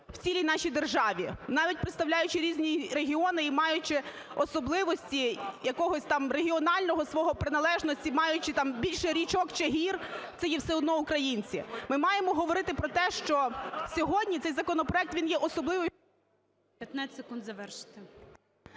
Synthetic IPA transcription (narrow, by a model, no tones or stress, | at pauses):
wt͡sʲilʲijnɑʃijd̪erʒɑʋʲinɑʋʲit̚ʲpɾɪt̪st̪ɐwlʲajʊt͡ʃɪɾʲizʲnʲiɾeɦʲiɔnɪimɑjʊt͡ʃɪ | ɔsɔblˠɪʋɔsʲtʲijɐkɔɦɔsʲt̪ɑmreɦʲiɔnɑlʲnɔɦɔsʋɔɦɔpɾɪnɐlˠɛʒnɔsʲtʲimɑjʊt͡ʃɪt̪ɑmbʲilʲʃɛɾʲit͡ʃɔkt͡ʃɪɦʲirt̪sɛjɛwsɛɔd̪nɔʊkɾɐjinʲt͡sʲimɪmɑjemɔɦɔʋɔɾɪt̪ɪpɾɔt̪ɛʃt͡ʃɔsʲɔɦɔdʲnʲit̪sɛjzɐkɔnɔpɾɔɛk̚t̪ʋʲinjɛʔɔsɔblˠɪʋɔ | pʲjɐt̪nasekund̪zɐʋɛrʃɪ̥t̪ɪ